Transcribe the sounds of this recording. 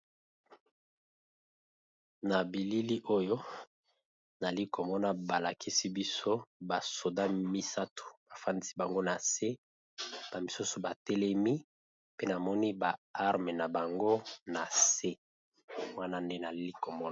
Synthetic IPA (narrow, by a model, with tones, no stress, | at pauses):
na˨bi˨li˦li˦ʔo˦jo˦ | na˨li˦kʰo˨mɔ˦na˦ba˨la˨kʰi˦si˦bi˦so˦ba˨so˨da˦mi˦sa˦tʰo̥˨b̥a˨fa˦ndi˦si˦ba˨ŋɡo˦na˨se˦ | b̥a˨mi˨su˦so˨ba˨tɛ˦lɛ˦mi˦ | pe˦na˨mɔ˦ni˦ba˨a˦ʁme˨na˨ba˨ŋɡo˦na˨se˦ | mwa˦na˦nde˦na˨li˦li˦ko˨mɔ˦